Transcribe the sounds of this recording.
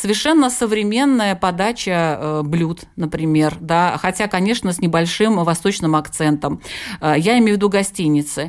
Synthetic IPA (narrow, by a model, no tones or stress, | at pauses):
səvʲɪrʂɛnːəsəvɾʲɪmʲe̞nːəjəpɐd̪at͡ɕəblʲut̪nəpɾʲɪmʲe̞rd̪axɐtʲakɐnʲe̞ʂnəsʲnʲɪbɐlʲʂɨmvɐst̪o̞t͡ɕnɨmɐkt̪sɛnt̪əməjaɪmʲejvʲɪd̪uɡɐsʲtʲinʲːɪt̪sɨ